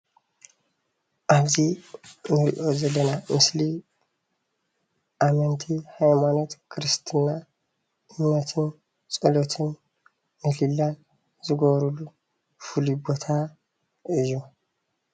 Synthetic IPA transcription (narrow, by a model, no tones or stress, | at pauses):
ʔɐzinɪɾɪ̰ʔozɛlɛnɐmɪsli | ʔɐmɛnt̪ʰihɐjmɐnɔt̪kʰɪɾɪst̪ʰɪnːa | ɪɲːɔt̪ʰɪn | t͡sʼɔlɔt̪ʰɪn | mɪlɪlːɐ | zɪɡoːɾʊlʊ | fʊlibɔt̪ʰa | ʔɪjɔ